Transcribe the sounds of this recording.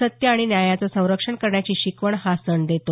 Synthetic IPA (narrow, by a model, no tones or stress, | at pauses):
ət̪jəaɽ̃injajat͡sasə̃w̃ɾəkʂəɳkəɾɳjat͡ɕiːɕikʋəɳhasəɳd̪et̪o